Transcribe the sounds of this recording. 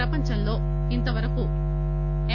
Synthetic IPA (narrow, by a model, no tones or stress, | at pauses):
ɐpɐɲt͡ʃɐmlo̞ː | int̪ɐʋɐɾɐku | e